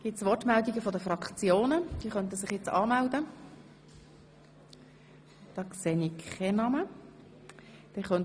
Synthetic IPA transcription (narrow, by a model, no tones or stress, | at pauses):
ɡ̥ɪtsʋɔtmɛld̪iɡəfɔdəfrɑkχt͡sjoːnəd̥iːχœnt̬əsɪχjɛt͡sɑ̰ːmældə | d̪̥ɑːkseːniɛnɑmə | d̥ɛχœn